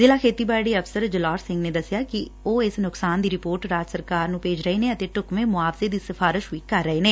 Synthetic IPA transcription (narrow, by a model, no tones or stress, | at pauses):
zeːlaːkʰeːt̪iːbaːɽiːəpsəɾd͡ʒəlaːɾsɪ̃ŋɡneːd̪əsɪjaːkɪoːɪsnʊksaːnd̪iːɾɪpoːɾʈɾaːd͡ʒsəɾkaːɾnũːpeːd͡ʒɾəɦeːneːət̪eːʈʊkmẽːmʊaːfzeːd̪iːsɪfʰaːɾɪʃɦʊiːkəɾːəɦeːneː